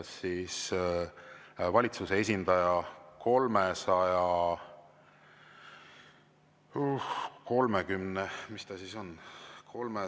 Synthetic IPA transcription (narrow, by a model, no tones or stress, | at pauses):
sːiːs | vɑlʲit̪susee̞s̬ʲind̪̥ɑjɑko̞lmesɑjɑ | uhko̞lmekymnemist̪ɑsiso̞nkʰo̞lme